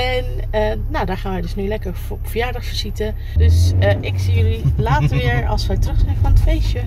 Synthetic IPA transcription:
ɛn | ənowdaːɹχaːnʋɛjdɵsnylɛkəɹfɔpfəɹjaːɹdɑχfəɹz̥itə | døsʔɪksijʏlilaːtəʋɪːɹɑ̰lˠsʋɛjtrɵχsɪnəfɑnətfejʃə

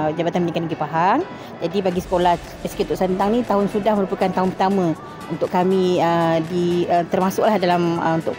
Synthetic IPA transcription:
d͡ʒabat̪anmənikanaɡipaɦaŋ | d͡ʒadibaɡisə̥kolah | askit̪ʊʔsant̪aŋnĩt̪aɦʊnsudahməɾupəkant̪aɦʊnpərt̪amə̃ | unt̪ʊʔkamĩədiət̪ərmasʊʔlahdalaməunt̪ʊʔ

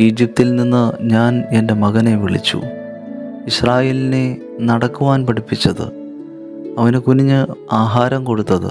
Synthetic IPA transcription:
iːd͡ʑip̚t̪ilninːɨɲaːne̞nde̞mɐɣɐne̞ʋiɭḭt͡ɕːṵ | iɕraːjeːline̞ | nɐɽɐkːuʋaːnpɐɽipːit͡ɕːɐðɨ̰ | ɐʋɐnekuniɲːɨaːɦaːɾɐmko̞ɽut̪ːɐðɨ̰

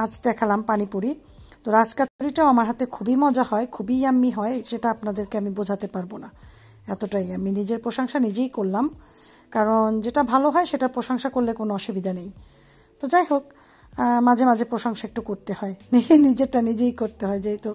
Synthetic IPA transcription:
ad͡ʑd̪ɛkʰalampanipuɾi | t̪oɾad͡ʑkat͡ɕoɾiʈaamaɾɦat̪ekʰubimɔd͡ʑahɔekʰubiamːiɦɔeʃeʈaapnad̪eɾkeamibod͡ʑʱat̪epaɾbona | ɛt̪oʈajaminid͡ʑeɾpɾoʃoŋʃanid͡ʑejkoɾlam | kaɾond͡ʑeʈabʱaloɦɔeʃeʈaɾpɾoʃoŋʃakoɾlekonoɔʃubid̪ʱanej | t̪od͡ʑajɦok̚ | mad͡ʑʱemad͡ʑʱepɾoʃoŋʃaek̚ʈukoɾt̪eɦɔenienid͡ʑeʈanid͡ʑejkoɾt̪eɦɔed͡ʑajt̪o

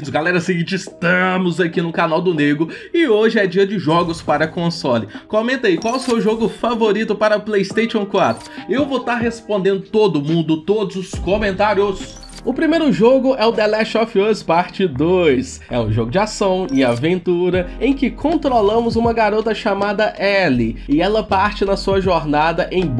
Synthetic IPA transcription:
ʊɡalɛɾɐsɪɡĩt͡ʃɪst̪ɐmʊzakinʊkanawd̪ʊneɡɾʊɪoʒɪɛd͡ʒiɐd͡ʒɪʒɔɡʊspaɾɐkõsɔlɪkõmẽnt̪ejkwawsowʊʒoɡʊfavoɾit̪ʊpaɾɐplejst̪eʃiõw̃kwat̪ɾʊewvot̪aɾɦespõnd̪ẽnd̪ʊt̪od̪ʊmũnd̪ʊt̪od̪ʊzʊskomẽnt̪aɾjʊs | ʊpɾimejɾʊʒoɡʊʔɛʊd̪ɛlɛʃɔfospaɾt͡ʃɪd̪ojs | ɛ̰ʊ̰ʒoɡʊd͡ʒɪasɐ̃w̃ɪavẽnt̪uɾɐẽj̃kɪkʰõnt̪ɾolɐ̃mʊzũmɐɡaɾot̪ɐʃamad̪ɐʔɛlɪɪɛlɐpaɾt͡ʃɪnɐsuɐʒoɾnad̪ɐʔẽj̃

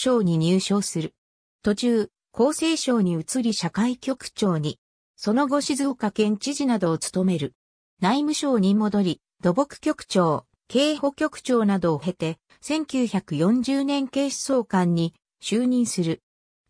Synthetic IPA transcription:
o̞ːɲ̟iɲ̟ɨːɕo̞ːsɨɾɯ̟ | t̪o̞t͡ɕɨː | kʰo̞ːse̞ːɕo̞ːɲ̟iɯ̟t͡sɨɾʲiɕakaikʲo̞kɯ̟̥t͡ɕo̞ːɲ̟i | so̞no̞ɡo̞ɕizɨːkakẽ̞ɲ̟t͡ɕiʑinad̪o̞ːt͡sɨ̥t̪o̞me̞ɾɯ̟ | naimɯ̟ɕo̞ːɲ̟imo̞d̪o̞ɾʲi | d̪̥o̞bo̞kɯ̟̥kʲo̞kɯ̟̥t͡ɕo̞ː | ke̞ːho̞kʲo̞kɯ̟̥t͡ɕo̞ːnad̪o̞ːɦe̞t̪e̞ | sẽ̞ŋkʲɨːçakɯ̟jõ̞ɲ̟d͡ʑɨːnẽ̞ŋke̞ːɕi̥so̞ːkãɲ̟ːi | ɕɨːɲ̟ĩɰ̃sɨɾɯ̟

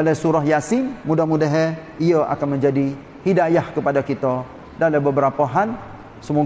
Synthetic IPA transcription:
alasuɾaɦjasɪmːudahmudaɦɛ | iəʔa̰kanməɲd͡ʒadi | hidajahkəpadakit̪a | dalabəbəɾapaɦan | səmu

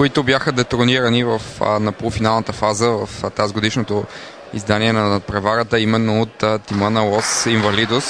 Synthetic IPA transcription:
kʊit̪ʊbjaxəd̪ɛt̪ʊɾniɾənivɐfnɐpolˠfinalˠnət̪əfazəvɐft̪azɡod̪iʃnot̪o | ḭzd̪aniɛnɐpɾɛvaɾət̪əimɛnːoot̪ːt̪ːimənəlˠɔsiɱvɐlid̪os

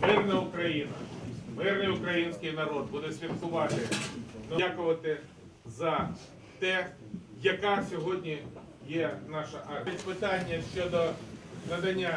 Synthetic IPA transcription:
mɪrnɐʊkɾɐjinɐ̰mɪrnɪjʊkɾɐjinʲsʲkɪjnɐɾɔd̪̚bud̪ɛsʲfʲilˠkʊʋɑt̪ɪnɐakʊʋɐt̪ɪ | zɐ | t̪ɛ | jɐkɑsʲɔɦɔdʲnʲi | jɛnɑʃɐʔɐtʲpɪt̪ɑnʲːɐʃt͡ʃɔd̪ɔnɐd̪ɐnʲːa

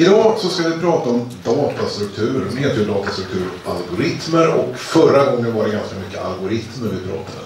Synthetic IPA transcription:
ɪd̪ɑːsɔskavɪpʰɾɑːt̪aɔmd̪ɑːt̪ast̪ɾɵk̚t̪ʰʉ̟ːɾheːt̪əjʊd̪ɑːt̪ast̪ɾɵk̚t̪ʰʉːɾɔka̰lɡʊɾɪt̪məɾɔ̰kfœɾaɡɔŋːənvaɖɛɡanskamʏkːəa̰lɡʊɾɪt̪məɾvɪpʰɾɑ̰ːt̪ʰːad̪ə̰

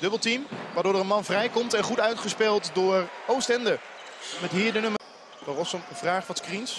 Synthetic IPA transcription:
dɵbəlˠtimʋaːɹdʊːɹdəɹənmɑnvrɛjkɔmtɛnχutœɥtχəspɪlˠtdʊːɹowstɛndəɹ | mɛtɦiːɹdənɵmə | dərɔsəməvraːχfɑnskrins

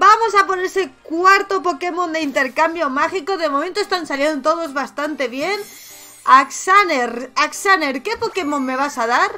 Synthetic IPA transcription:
bamo̞sapo̞neɾsekwaɾt̪o̞po̞ke̞mõ̞nd̪eint̪e̞ɾkambjo̞maxiko̞ðe̞momẽnt̪oest̪ansaljent̪o̞ð̞o̞zβast̪ant̪e̞βje̞n | aksaneɾaksaneɾke̞poke̞mõ̞nme̞β̞asað̞aɾ

